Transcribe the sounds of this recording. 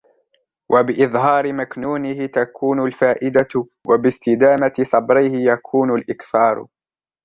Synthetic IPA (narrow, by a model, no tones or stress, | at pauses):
wʔabɪʔɪðˤɦɑːɾɪmaknuːnɪhɪt̪akʰuːnʊlfaːʔɪd̪a | wʔabɪst̪ɪd̪aːmat̪ɪsˤɑbɾɪhɪjakʰuːnʊlʔɪkθɑːɾ̰ˤ